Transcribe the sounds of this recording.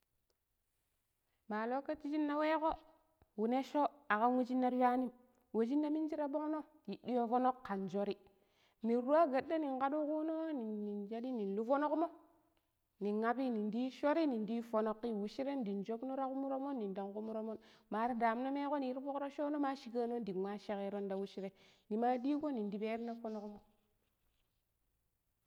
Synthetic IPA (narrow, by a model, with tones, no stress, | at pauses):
ma˨lo˦ka˦t͡ʃi˦d͡ʒi˦nːa˦we˦ko˦ | wu˨ne˦ʃo˦a˨ka˦n˦wu˦d͡ʒi˦nːa˦ɾwa˦ni˦m | wu˨d͡ʒi˦nːa˦mi˦nd͡ʒi˦ɾa˦bo˦ŋ˦no˦ | i˨di˦jo˦fo˦no˦kːa˨nd͡ʒo˦ɾi˦ | ni˨ɾu˦a˦ɡa˨dːa˦ni˨ŋka˦du˦ku˦no˦ni˨i˨nd͡ʒa˦di˦ni˨nlu˦fo˦no˦kmo˦ | ni˨ŋa˦pi˦ni˨ndi˦ʃo˦ɾi˦ni˨ndi˦fo˨˦no˦kːi˦˨wu˨ʃi˦ɾe˦n˦di˨nd͡ʒo˦bno˦ɾa˦ku˦mu˦ɾo˦mo˦nːi˨nda˨ŋku˦mu˦ɾo˦mo˦nma˨ɾa˦da˨m˦no˦me˦ko˦ni˨˦ɾfo˦kɾo˦ʃo˦no˦ma˦ʃi˨ka˦no˦n˦di˨wʷa˦ʃe˦ke˦ɾo˦nda˨wu˦ʃi˦ɾe˦ni˨ma˦di˦ɡo˦ni˨ndi˨be˦ɾna˦fo˦no˦kmo˦